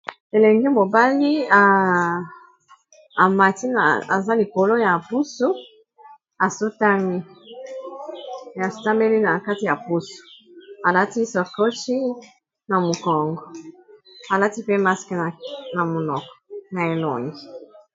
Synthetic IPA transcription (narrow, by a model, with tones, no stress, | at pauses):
e˨le˨ŋɡɛ˦mo˨ba˦li˦a˨ | ma˨ti˦na̰˨a̰˨za˦li˨ko˨lo˦ja˨pu˦su˦ | a˨so˦ta˦mi˦˨ | a˨so̥˦ta˦me˦li˦na˨ka˦ti˨ja˨pu˦su̥˨a˨la˦ti˦sɔ˨ko˦ʃi˦ | na˨mo˨kɔ˨ŋɡɔ˨ | a˨la˦ti˦pe˦ma˦skna˨na˨mo˨nɔ˨kɔ̥˨na˨e˨lɔ̰˨ŋɡi˨